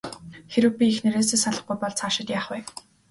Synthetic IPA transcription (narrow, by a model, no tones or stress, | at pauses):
xeɾɘ̆wpʲiːxneɾeːseːsaɮə̆χ̚ɡujpɔɮt͡sʰaːʃɪ̆t̪jaːχwɛ